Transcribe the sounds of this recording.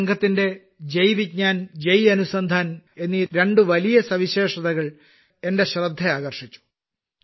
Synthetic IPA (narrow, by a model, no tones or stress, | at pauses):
ŋɡʰʱɐt̪ːinde̞ | d͡ʑejʋiɲaːnd͡ʑejɐnusɐnd̪ʱaːne̞nːiɾe̞ɳɖɨʋɐlijɐsɐʋiɕe̞ːʂɐðɐɣɐɭ | e̞nde̞ɕrɐd̪ʱːeaːɣɐrʂit͡ɕːu̥